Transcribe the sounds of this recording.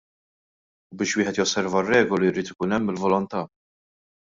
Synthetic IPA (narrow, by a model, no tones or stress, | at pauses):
ubɪːʃwɪːħɛt̪jɔsːɛɾvɐrːɛːɡɔliɾiːt̪ɪkuːnɛmːɪlvɔlɔnt̪ɐː